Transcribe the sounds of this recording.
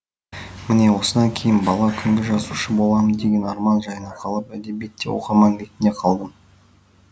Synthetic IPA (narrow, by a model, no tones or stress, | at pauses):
mɪne̞wo̞səd̪ɑŋkʲʰe̞jɪnbɑlˠɑkʲʰʏŋɡʲeʒɑzuʃəbo̞lˠɑmənd̪e̞ɡʲe̞nɑɾmɑnʒɑjənɑqʰɑlˠəpæd̪e̞bet̪ːe̞̰wo̰qɑmɑŋɾet̪ɪnd̪e̞qʰɑlˠd̪əm